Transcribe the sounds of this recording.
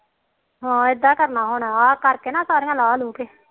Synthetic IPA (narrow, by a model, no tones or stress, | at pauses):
ɦãːɪd̪ːaːkəɾnaːɦoːɳãːaːkəɾkeːnãːsaːɾiːãːlaːloːkeː